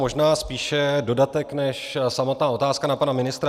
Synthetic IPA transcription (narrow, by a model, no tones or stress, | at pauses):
mo̞ʒnaːspiːʃɛdo̞dat̪ɛknɛʃsamot̪naːʔo̞t̪aːskanapanamɪnɪst̪ɾa